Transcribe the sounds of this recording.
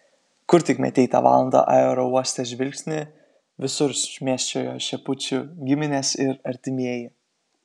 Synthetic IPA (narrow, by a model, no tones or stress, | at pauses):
kʊɾt̪ʲɪkmʲɛ̰t̪ʲɛɪt̪ɑ̰ʋɑ̰ːlˠɐnd̪ɑ̰ʔɑoːɾɔuɔsʲt̪ʲɛʒʲʋʲɪlʲkʲsʲnʲɪ | ʋʲɪsʊɾsʲmʲiɛsʲt͡ʃʲoːjoːʃʲɛpʊt͡ʃʲʊɡʲɪmʲɪnʲesɪɾɐɾʲt̪ʲɪmʲiɛjɪ